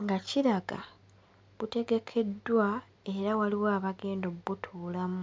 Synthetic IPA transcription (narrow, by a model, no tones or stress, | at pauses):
ŋɡaciɾaɡa̰ | βute̞ɡe̞kʰe̞dːwa | e̞ɾawaliwaːβaɡe̞ːndoβutʰuːlamu